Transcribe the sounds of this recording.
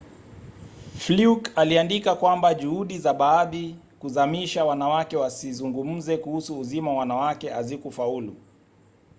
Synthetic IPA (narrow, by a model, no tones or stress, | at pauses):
flukaliandikakwambaʄuhuɗizaɓaːði | kuzamiʃawanawakɛwasizuŋɡum̩zɛkuhusuːzimawwanawakɛʔazikufaulṵ